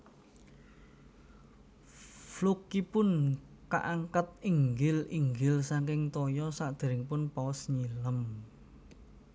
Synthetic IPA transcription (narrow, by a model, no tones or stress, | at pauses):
flukipʊnka̰ʔaŋkat̪̚iŋɡɪliŋɡɪlsaŋkɪŋt̪ɔjɔsaʔd̪̥e̤ɾɪŋpʊnpaɔsɲiləm